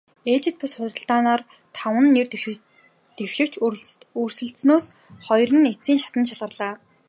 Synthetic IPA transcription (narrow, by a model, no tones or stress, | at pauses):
eːt͡ɕɪ̆t̪̚pʊsχʊt̪ə̆ɬt̪aːnaːr | t̪ʰawə̆nːer | t̪ewʃɪ̆w̥t͡ɕuɾ̆t̪ursɘ̆ɬsnoːs | χɔjrə̆net͡siːŋʃḁt̪ə̆nʃaɮʁə̆rɮ̥aː